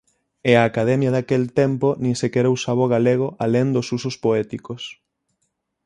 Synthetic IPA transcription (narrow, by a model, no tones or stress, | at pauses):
eaːkaðɛmjaðakelt̪emponĩŋsekɛɾowsaβoɣaleɣ̞oʔalend̪osusʊspoɛt̪ikos